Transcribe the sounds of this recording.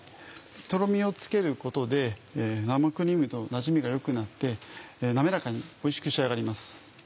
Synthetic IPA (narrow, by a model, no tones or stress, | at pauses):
t̪o̞ɾo̞mʲio̞t͡sɨ̥ke̞ɾɯ̟ko̞t̪o̞d̪e̞namakɯ̟ɾʲimɯ̟t̪o̞naʑimʲiɡajo̞kɯ̟nat̪ːe̞name̞ɾakaɲ̟io̞iɕi̥kɯ̟ɕiaɡaɾʲimasɨ̥